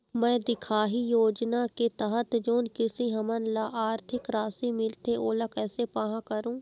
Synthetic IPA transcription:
mɛ̃ːd̪ɪkʰaːɦijoːd͡ʒnaket̪ɐɦət̪d͡ʒoːnkɪsiɦɐmənlaʔaːɾt̪ʰɪkɾaːsimɪlt̪eʔoːlakɛːsepaːɦãkɐɾũː

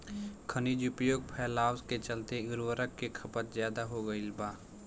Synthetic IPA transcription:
kʰɐniːd͡ʒʊpjoːɡ̚pʰɛːlaːwsket͡ʃɐlt̪eʊɾwəɾəkːekʰɐpət̪zjaːd̪aɦoɡəilbaː

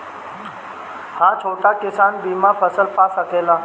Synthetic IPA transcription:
hat͡ʃʰoʈakisanbimapəsəlpasəkʰela

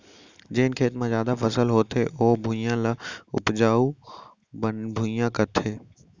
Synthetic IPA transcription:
d͡ʑeːnkʰeːt̪mãzjaːd̪afɐsəlɦoːt̪ʰeʔoːbʱujãlaʊ̰pd͡ʒaːu | bənbʱujãkɐt̪ʰeː

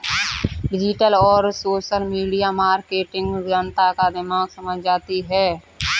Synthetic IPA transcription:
ɖɪd͡ʒɪʈəlɔːɾsoːʃəlmiːɖijamaːɾkeːʈɪ̃ŋɡd͡ʒənt̪akad̪ɪmaːɡsəməd͡ʒʱd͡ʒaːt̪iɦɛː

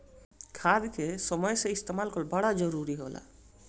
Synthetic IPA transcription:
kʰad̪kʰesɔmɔjseist̪emalkʰɔlbaɽad͡ʒɔɾuɾiɦola̰

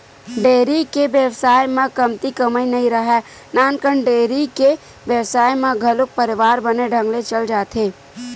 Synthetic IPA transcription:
ɖeːɾikeʋjəwsaːjmẽkɐmt̪ikəməinɐɦĩɾəɦɛ | naːnkəɳɖeːɾike | ʋjəwsaːjmẽɡʱɐlʊk̚pəɾɪʋaːɾbəneɖʱə̃ŋɡlet͡ʃəld͡ʒaːt̪ʰeː

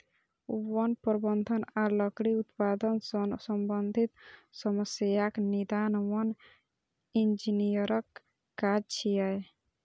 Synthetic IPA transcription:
wɔnpɔɾbənd̪ʱənalɔkɽiut̪pad̪ənsɔmbənd̪ʱit̪sɔməsjaknid̪anwɔn | ind͡ʒinijəɾɔkː | ad͡ʒt͡ʃʰiaj

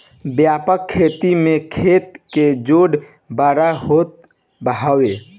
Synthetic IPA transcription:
bjaːpəkʰːeːt̪imẽkʰeːt̪ked͡ʒoːɽ | baːɾaɦoːt̪̚ | bəɦaːwe

